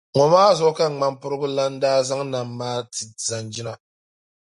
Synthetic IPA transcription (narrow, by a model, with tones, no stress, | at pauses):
ŋɔ˨maː˦zɔ˦ʔka˦˨ŋ͡ma˨mpʊ˦ɾɨ˦bʊ˦la˦n̩˦daː˦za˦ŋna˨mːaː˦tɨ˨za˨nd͡ʒi˦na˨